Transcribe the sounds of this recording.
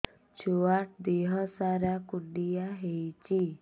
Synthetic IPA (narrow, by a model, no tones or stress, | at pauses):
t͡ɕʰuʋaʈ̚d̪eɦəsaɾjakuɖijaɦejt͡ɕi